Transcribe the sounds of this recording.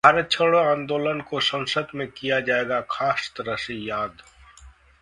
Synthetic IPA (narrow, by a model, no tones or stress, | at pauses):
bʱaɾət͡ʃʰəɽoãːnd̪oːlənkosə̃nsəd̪mẽkijad͡ʒaːeːɡakʰaːst̪əɾəsijaːd̪